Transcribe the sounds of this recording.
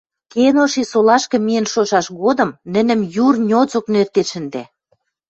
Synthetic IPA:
kenoʃisolɑʃkɤ̆mienʃoʃɑʃɣod̪ɤ̆mnə̆nə̆mjurnʲot͡soknert̪eʃə̆nd̪æ

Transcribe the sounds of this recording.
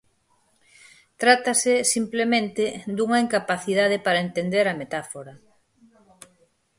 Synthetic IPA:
t̪ɾat̪asesimplemẽnt̪ed̪uŋɐiŋkapaθiðað̞epaɾɐent̪end̪eɾɐmet̪afoɾɐ

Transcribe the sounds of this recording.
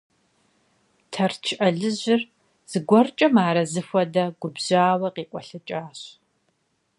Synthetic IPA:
tʰɐrt͡ʃʰʔɐɮɨʑɪr | z̥ɨɡʷɔrt͡ʃʼɐmaːɾɐzɨxʷɔdɐɡʷʊbʑaːwɐqiːkʷʼɔɬɐt͡ʃʼaːɕ

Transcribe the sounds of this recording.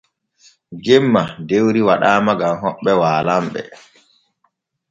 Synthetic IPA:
ɡɛmːadewɾiwaɗaːmaɡamɦɔɓːɛwaːlamɓɛ̰

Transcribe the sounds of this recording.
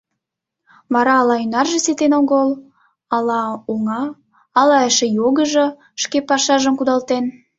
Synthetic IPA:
mɑɾɑːlɑynɑrʒĕset̪enoɣəl | ɑlɑuŋɑː | lɑəʃĕjoɣəʒə̆ | ʃkepɑʃɑʒəmkud̪ɑlt̪en

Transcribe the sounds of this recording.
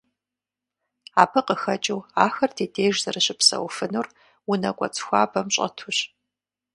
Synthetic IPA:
aːpʰɐqəxɐt͡ʃʼɪwaːxɐrdʰeːdeːjʒzɐrɨɕʼɪpsɐ̰wfɨnur | wʊnɐkʷʼɔ̰t͡sʼxʷaːbɐmɕʼɐ̰tʰuɕ

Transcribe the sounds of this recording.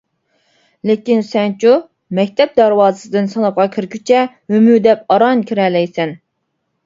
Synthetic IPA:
lekʲinsɛnt͡ʃʰu | mɛkʲt̪ʰɛp̚d̪æɾwɑːzɨsɨd̪ɨnsɑnɑp̚qɑkʲʰiɾkʲʰyt͡ʃʰɛ | hømyd̪ɛp̚ɑɾɑnkʲʰiɾɛlːɛjsɛn

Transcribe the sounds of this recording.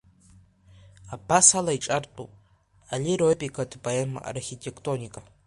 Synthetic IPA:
abasalaiʈ͡ʂʼartʼṵpʼ | alʲiɾopʼikʰadboema̰a̰rχʲitʰʼekʰtʼonʲikʼa

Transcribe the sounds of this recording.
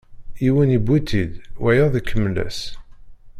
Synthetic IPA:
iwənibːit̪ʰːid̪wæjəðˤikʰːəmːlæ̰s

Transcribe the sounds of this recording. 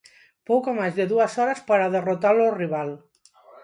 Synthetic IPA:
powkomazðeðuasɔɾaspaɾaðerot̪aloriβal

